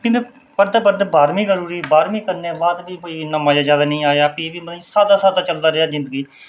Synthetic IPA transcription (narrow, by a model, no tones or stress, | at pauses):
bɪẽː | pəɾd̪apəɾd̪baːɾmĩːkəɾuːɾiːbaːɾmĩːkəɾneːbaːd̪biːkoːiːɪnãːmãːd͡ʒaːzjaːd̪aːnəĩːaːeaːpiːbiːmət̪isaːd̪aːsaːd̪aːt͡ʃəld̪aːɾɪaːzɪ̃nd̪əɡiː